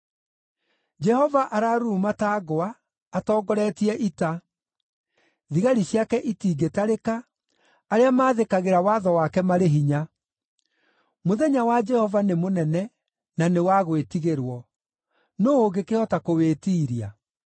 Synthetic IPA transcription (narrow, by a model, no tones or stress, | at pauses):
d͡ʒɛhɔvaʔaɾaɾuːmataːɣɔaː | tɔːɡɔɾɛtiɛʔita | ðiɣaɾiɕiakɛʔitiːɡetaɾekaː | ɾeamaːðekaɣeɾawaðɔwakɛmaɾeɦiɲa | moðɛɲawad͡ʒɛhɔvanemonɛnɛ | nanewaɣwetiɣeɾwɔ | noːɣekehɔtakoweːtiːɾia